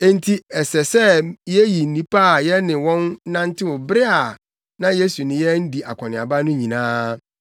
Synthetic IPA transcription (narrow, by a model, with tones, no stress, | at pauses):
e˦n˦tʰi˦ɛ˨sɛ˨sɛ˦jɛ˦ji˨n̩˦nĩ˦pa˦˨jɛ˦nɪ̃˨wɔ̃˦n˦nã˦n̩˦tʰɪ˦wʊ˨bɾɪ˦a˨ | nã˦je˦su˨nɪ̃˨jɛ˦n̩˦di˨a˨kʰʷɔ̃˨nɪ̃˨a˨ba˦nʊ̃˦ɲĩ˨nãː˦